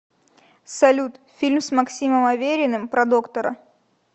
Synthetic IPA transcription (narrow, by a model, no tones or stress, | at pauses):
sɐlʲut̪fʲilʲmsmɐksʲiməmɐvʲeɾʲɪnɨmpɾɐd̪okt̪əɾə̰